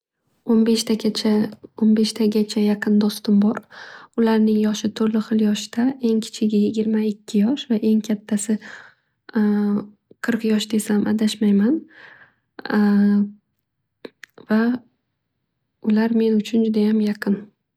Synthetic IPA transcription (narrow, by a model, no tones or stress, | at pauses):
onbe̞ʃt̪ʰaat͡ʃʰaonbe̞ʃt̪ʰaɡʲat͡ʃʰajɑqʰɨnd̪ɒst̪ɪmbɒɾʊlaɾnɪŋjɒʃɪt̪ʰɵɾlɪχɨlˠjɒʃd̪̥aʔe̞ŋkʲʰɪ̥t͡ʃʰɪɡʲɪjɪɡʲɪɾmaɪkʲʰːɪjɒʃvaʔe̞ŋkʲʰat̪ʰːasɪ | qʰɨɾqjɒʃd̪esamʔad̪aʃmajman | va | ʊlaɾme̞nʊt͡ʃʰʊnd͡ʒʊd̪ajamjɑqʰɨn